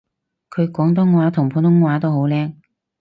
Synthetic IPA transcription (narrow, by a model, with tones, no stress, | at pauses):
kʰɵ˨˧kɔː˨˥ŋt̪̬ɔː˨˥ŋwaː˨˥t̪ʰʊ˨˩ŋpʰuː˨˧nt̪ʊ˥ŋŋwaː˨˧˥t̪o˥wɦo˨˧˥wlɛː˥ŋ